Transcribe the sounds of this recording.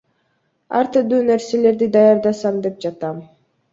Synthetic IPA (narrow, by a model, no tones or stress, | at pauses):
ɑ̰ɾt̪yd̪yːneɾse̞le̞ɾd̪id̪ɑjɑɾd̪ɑsɑmd̪e̞p̚d͡ʒɑt̪ɑm